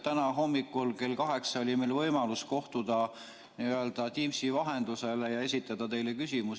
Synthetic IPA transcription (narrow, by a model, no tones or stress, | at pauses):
t̪ænɑɦo̞mːikːˑulke̞lkɑɦe̞ksɑo̞lʲimejlvɤjmɑlusko̞ht̪ud̪̥ɑ | niøld̪̥ɑt̪ʲimsivɑɦe̞nd̪̥use̞lejɑe̞sit̪ːˑɑd̪̥ɑt̪e̞jlekysʲimus